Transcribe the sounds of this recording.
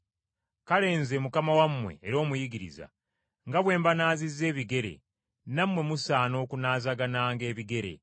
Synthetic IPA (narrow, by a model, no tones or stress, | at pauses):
kale̞ːnze̞mukamawamwe̞̰ːɾo̞ːmujiɡiɾḭza̰ | ŋɡaβwe̞ːmbanaːzizːe̞ːβiɡe̞ɾe̞̰ | namwe̞musaːno̞ːkunaːzaɡanaːŋɡe̞ːβiɡe̞ɾe̞̰